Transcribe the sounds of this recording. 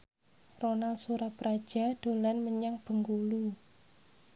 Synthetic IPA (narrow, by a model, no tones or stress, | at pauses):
ronalsuɾapɾad̥ʒ̥a̤d̪̥o̤lanməɲaŋb̥ə̤ŋɡulu